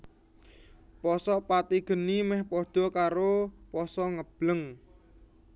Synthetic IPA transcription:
pɔsɔpat̪iɡ̥ə̤nimɛhpɔɖ̪̥ɔ̤kaɾopɔsɔŋəb̥ləŋ

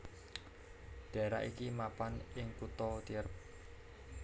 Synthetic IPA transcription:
ɖ̥a̤ɾa̰ʔikimapanɪŋkut̪ɔt̪iɾəp̚

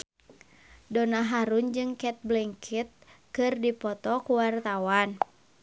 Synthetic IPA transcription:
dɔnaɦaɾund͡ʒɨŋkɛt̪̚blɛŋkʰit̪̚kɨrdipɔt̪ɔkuwart̪awan

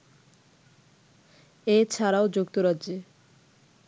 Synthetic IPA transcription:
et͡ɕʰaɾaod͡ʑukt̪oɾadd͡ʑe

